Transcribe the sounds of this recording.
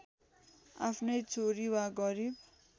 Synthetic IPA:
a̰pʰnʌjt͡sʰoɾiwaɡʌɾib̚

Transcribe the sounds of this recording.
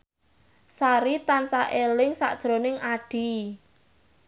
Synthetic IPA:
saɾit̪ansaʔelɪŋsa̰ʔd̥ʒ̥ɾonɪŋaɖ̥i̤

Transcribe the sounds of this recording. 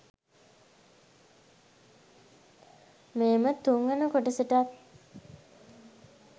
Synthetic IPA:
meːmət̪uŋɡanəkoʈəsəʈat̪

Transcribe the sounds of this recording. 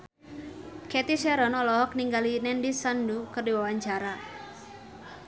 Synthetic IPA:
kɛt̪isɛɾɔnɔlɔɦɔk̚niŋɡalinɛndisandukərdiwawaɲt͡ʃaɾa

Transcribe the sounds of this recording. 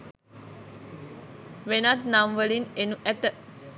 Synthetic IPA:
ʋenat̪namʋəlinenuʔæt̪ə

